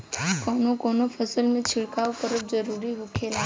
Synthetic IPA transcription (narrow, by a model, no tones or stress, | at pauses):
kɔːnokɔːnopʰəsəlmẽt͡ʃʰɪɽkaːwkəɾəb̚zəɾuːɾiɦokʰeːlaː